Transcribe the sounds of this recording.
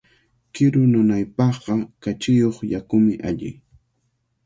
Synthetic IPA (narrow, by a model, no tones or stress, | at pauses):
kɪɾʊnʊnajpɑχɢɑkat͡ʃɪjoχjakʊmɪʔaʎɪ̰